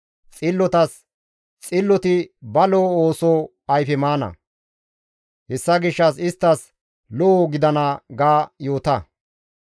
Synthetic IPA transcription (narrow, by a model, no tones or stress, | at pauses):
t͡sʼɪlːɔt̪ɐs | t͡sʼɪlːɔt̪ɪbɐloːoːsoː | ɐjfɛmaːnɐ̰ | hɛsːɐɡɪʃːɐsɪst̪ːɐs | lɔoɡɪd̪ɐnɐɡaːjo̞ːt̪ɐ